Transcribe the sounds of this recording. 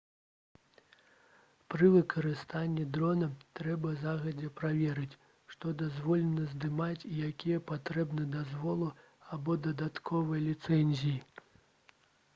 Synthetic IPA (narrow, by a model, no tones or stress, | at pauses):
pɾɨvɨkɐɾɨst̪anʲːid̪ɾɔnɐt̪ɾɛbɐzaɣɐd͡zʲɛpɾavʲɛɾɨt͡sʲ | ʂt̪ɔd̪azvɔlʲɛnɐzd̪ɨmat͡sʲijakʲijɛpat̪ɾɛbnɨjd̪azvɔlˠɨ | abɔd̪ɐd̪at̪kʰɔvɐjɐlʲit̪sɛnʲzʲiji